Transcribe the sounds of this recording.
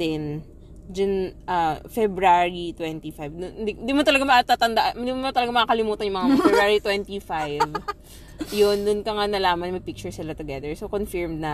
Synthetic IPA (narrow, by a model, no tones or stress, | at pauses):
ɛn | d͡ʒɐnʔɐfɛbɾaɹit̪wɛnt̪ifajvd̪ʊnɪind̪imot̪ɐlɐɡamɐʔat̪at̪ɐnd̪aʔaʔɪnd̪imomɐt̪ɐlɐɡamɐʔaːkɐlɪmuːt̪ɐnjʊŋmɐŋafɛbɾaɹit̪wɛnt̪ifajv | jonːʊnkɐŋanɐlaːmɐnmɐpik̚t͡ʃʊɹsɪlat̪ʊɡɛd̪ɛɹsokonfɪɹmd̪nɐ